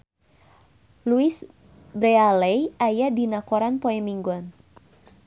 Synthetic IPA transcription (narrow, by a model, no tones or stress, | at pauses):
luis | bɾɛalɛjajadinakɔɾanpɔɛmiŋɡɔn